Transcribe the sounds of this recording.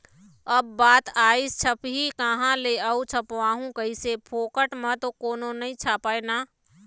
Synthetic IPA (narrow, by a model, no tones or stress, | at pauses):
əbːaːt̪aːist͡ʃʰəpɦikəɦãleəut͡ʃʰəpʋaːɦũkəisepʰoːkəʈmət̪okoːnonɐɦĩt͡ʃʰaːpaːenaː